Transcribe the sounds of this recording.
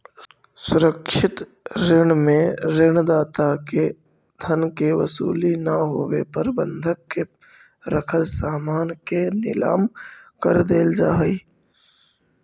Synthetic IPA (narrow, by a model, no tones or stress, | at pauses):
sʊɾəkʃɪt̪ | ɾɪɳmẽɾɪɳ̃d̪aːt̪ake | d̪ʱənkeʋə̰sṵːlinaɦo̰ːwḛpəɾbə̃nd̪ʱəkːe | ɾəkʰəlsaːmaːnkenɪ̰la̰ːmkəɾd̪eːld͡ʒaːiː